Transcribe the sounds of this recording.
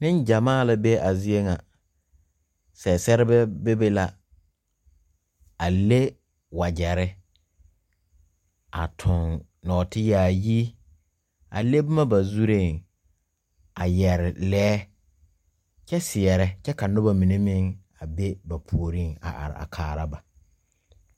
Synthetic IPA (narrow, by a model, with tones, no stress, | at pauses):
nɪ̃˦nd͡ʒa˨maː˦˨la˦be˦ʔa˨zi˦e˦ŋa˨ | sɛ˨sɛ˦ɾɪ˦bɛ˦be˦be˦la˨ | a˨le˦ | wa˨d͡ʒɛ˨ɾɪ˦ | a̰˨tʰʊ˨ŋ | nɔː˨tʰɪ˦jaː˨ji˦ | a̰˨le˦bʊ˦ma˦ba˨zu˦ɾe˦˨ŋ | a˨jɛ˨ɾɪ˨lɛː˦ | t͡ʃɛ˦sɪ˨ɛ˨ɾɛ˦t͡ʃɛ˦ka˨nʊ˦ba˨mĩ˨ne˦mɪ˦ŋ | a˨be˦ba˨pʰu˨o˨ɾi˦ŋa̰˨ʔa̰˨ɾɪ̰˨a̰˨kʰaː˨ɾa˦ba˨